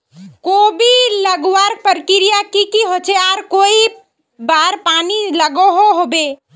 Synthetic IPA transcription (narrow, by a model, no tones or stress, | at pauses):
kobiləɡwaɾpəɾkɪɾijakikiɦot͡ʃʰeaːɾkoːi | baːɾpaːniləɡoɦoɦobe